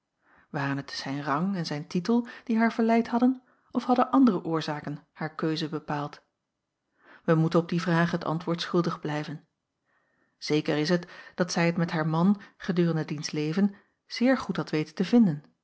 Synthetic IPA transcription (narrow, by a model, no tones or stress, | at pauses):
ʋaːrənɦətsɛjnrɑŋɛnzɛjntitəlˠd̥iɦaːɹv̥əɹlɛjtɦɑdən | ɔfɦɑdənʔɑndərəʔʊːɹzaːkənhaːɹkøɥzəbəpaːlˠt | ʋəmutənɔb̚divraːχɦətɑ̰ntʋʊːɹtsχɵlˠdəχblɛjvən | z̥ejkəɾɪsɦətd̥ɑtsɛjɦətmɛtɦaːɹmɑnχədyːrəndədinstlejvən | z̥ɪːɹχutɑtʋejtə̥təvɪndən